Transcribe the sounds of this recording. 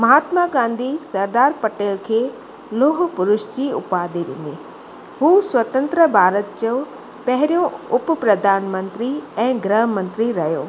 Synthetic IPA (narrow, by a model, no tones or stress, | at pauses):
mɐɦaːt̪maɡãːn̆d̪ʱisɐɾd̪aːɾpɐʈeːlkʰeː | loːɦ̆pʊɾʊʃd͡ʑiʊpaːd̪iʋɪ̰̃n̆d̪i | ɦuːswɐt̪ə̃nt̪ɾəbʱaːɾət̪̚d͡ʑoː | pɐɦɪɾijõʊppɾɐd̪ʱaːnmə̃nt̪ɾiɛ̃ːɡɾəɦmə̃nt̪ɾiɾɐjoː